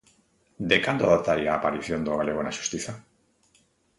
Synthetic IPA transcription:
d̪e̞kand̪oðot̪aɾiaːpaɾiθjo̞nd̪oɣaleɣonaʃu̥st̪iθa

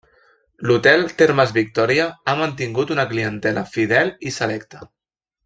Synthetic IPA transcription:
lut̪ɛlˠt̪eɾmazβik̚t̪ɔɾiaamant̪iŋɡut̪unəkliənt̪ɛləfið̞ɛlisəlɛkt̪ə̥

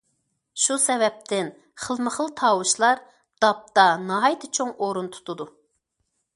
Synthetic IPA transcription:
ʃusɛvɛp̚t̪ʰɪn | χəlˠməχəlˠt̪ʰɑːwuʃlˠɑɾ | d̪̥ɑp̚t̪ɑnɑɦɑjt̪ʰɨt͡ʃʰoŋoɾunt̪ʰu̥t̪ʰud̪u

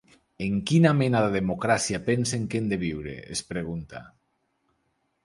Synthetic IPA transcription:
eŋkinamenaðeðemokɾasiapenseŋkend̪eβ̞iwɾḛespɾeɣ̞unt̪a̰

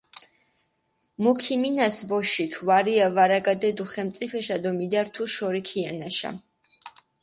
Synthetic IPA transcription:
mukʰiminasbɔʃit̪ʰuvaɾiavaɾaɡad̪ɛd̪uχɛmt̪sʼipʰɛʃad̪ɔmid̪aɾt̪ʰuʃɔɾikʰianaʃa̰

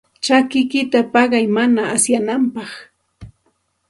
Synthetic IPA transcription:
t͡ʃakɪkɪt̪apɑɢɑjmanaːsjanampɑχ

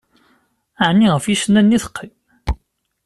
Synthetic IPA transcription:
aʕnːiʁəfjisnænːiθə̥qːim

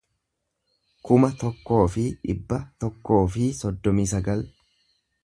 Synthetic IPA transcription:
kʊmɐt̪ɔkːo̞ːfɪᶑɪbːɐt̪ɔkːo̞ːfɪsɔd̪ːɔmiːsɐɡɐl

